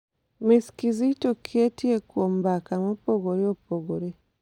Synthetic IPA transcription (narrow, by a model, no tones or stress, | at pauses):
miskizitokʰetiekwombakamopoɡoɾeopoɡoɾe